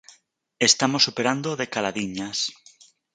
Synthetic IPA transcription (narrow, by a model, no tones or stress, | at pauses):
est̪amosːupeɾand̪oðekalaðiɲas